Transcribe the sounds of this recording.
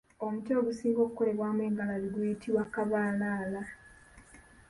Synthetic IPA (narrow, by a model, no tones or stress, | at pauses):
omuco̞ːɡusiːŋɡo̞kuko̞le̞βwaːmweːŋɡalaliɡwuitʰiwakaβaːnaːla